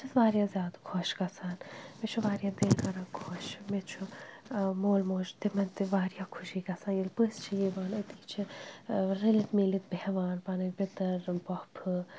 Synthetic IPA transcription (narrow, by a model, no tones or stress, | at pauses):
t͡ʃʰɐsʋaːɾijãːzʲjaːd̪kʰɔʃɡɐsʰaːnmet͡ʃʰuʋaːɾjãːd̪eːlɡɐɾãːkʰoʃmet͡ʃʰu | moːlmoːʃt̪imɐnt̪iʋaːɾjaːkʰuʃiːɡɐsʰaːnjilpɨst͡ʃʰijiːʋaːnɐt̪iːt͡ʃʰi | ɾilit̪melit̪behʋaːnpanɨbɪt̪ɐɾbɔpʰɨ